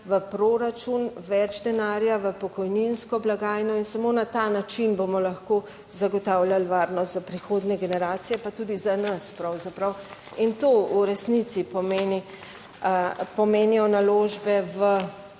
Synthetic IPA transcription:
ʋəpɾoːɾat͡ʃunʋɛd͡ʒd̪ɛnaːɾjaʋəpɔkɔjninskɔblaɡaːjnɔinsamonat̪anat͡ʃinbomɔlaxko | zaɡɔt̪aːwlʲjalʋaːɾnɔst̪zapɾixoːd̪nɛɡɛnɛɾaːt̪sijɛpat̪ud̪izanaspɾawzapɾaw | int̪ouɾɛsnit̪sipɔmeːni | pɔmeːnijɔnaloːʒbɛʋə

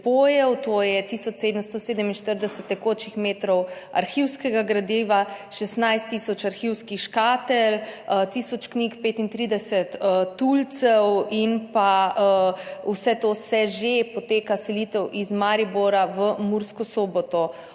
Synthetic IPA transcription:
poːjɛwt̪ojɛt̪isɔt͡ʃseːd̪əmst̪oseːd̪əminʃt̪əɾd̪ɛsət̪ːɛkoːt͡ʃixmeːt̪ɾɔwa̰ɾxiwskɛɡaɡɾad̪eːʋaʃɛst̪najst̪ːiːsɔt͡ʃaɾxiwskiʃkaːt̪ɛlt̪iːsɔt͡ʃknikpeːt̪int̪ɾiːd̪ɛsɛt̪əult̪sɛwinpaəwsɛt̪oːsɛʒepɔt̪eːkasɛlit̪ɛwʔizmaɾiboɾaʋəmuɾskɔsoːbɔt̪ɔ

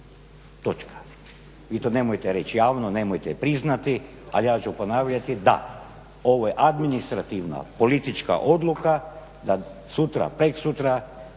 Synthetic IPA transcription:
t̪o̞t͡ʃkʰḁ | ʋiːt̪o̞ːne̞mojt̪eɾe̞t͡ʃjaːʋnone̞mojt̪ɛpɾiznat̪i | a̰lijaːt͡ʃuponaːʋʎat̪id̪a̰ | o̞ʋojeʔad̪minist̪ɾat̪iʋna̰po̞lit̪it͡ʃka̰ʔo̞d̪lˠuka | d̪asut̪ɾa̰pɾeksut̪ɾa

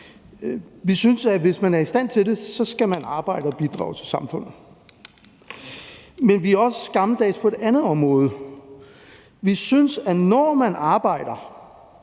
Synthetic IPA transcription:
ʋisynsæʋe̝smænæɐisd̥æn̰t͡sʰe̝lde̝sɒ̽sɡ̥æmænɑ̈ːb̥ɑ̈ɪ̰ɾ̥əɒb̥id̥ʁɑ̰̈ʊt͡sʰe̝lsɑ̈mfɔ̽n̰ð̩ˠ | menʋiæɒ̽sə̥sɡ̥ɑ̈məd̥ɛ̰ːspʰɒ̽e̝d̥ænð̩ˠɒ̽mʁɔ̽ːð̞̩ˠə | ʋisynsænɒːmænɑ̈ːb̥ɑ̈ɪ̰d̥ɐ

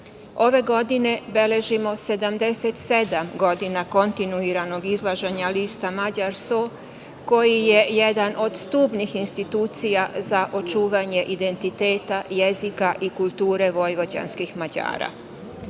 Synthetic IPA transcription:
o̞ʋe̞ɡo̞d̪ine̞be̞le̞ʒimo̞se̞d̪amd̪e̞set̪se̞d̪amɡo̞d̪inako̞nt̪inuiɾano̞ɡizlˠaʒeɲaliːst̪amad͡ʑaɾso | ko̞jije̞jed̪ano̞d̪st̪uːbnixinst̪it̪uːt̪sijazaʔo̞t͡ʃuːʋaɲe̞ʔid̪e̞nt̪it̪e̞ːt̪ajezikaʔikulˠt̪uːɾe̞ʋo̞jʋo̞d͡ʑa̰nskixmad͡ʑa̰ːɾa̰

